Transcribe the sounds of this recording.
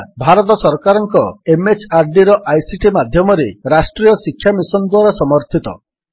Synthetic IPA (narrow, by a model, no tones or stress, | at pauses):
bʱaɾɔt̪ɔsɔɾkaɾɔŋkɔemet͡ʃaɾɖiɾɔʔajsiʈimad̪ʱjɔmɔɾeɾasʈɾijɔsikʰːjamisɔnd̪waɾɔsɔmɔɾt̪ʰit̪ɔ̰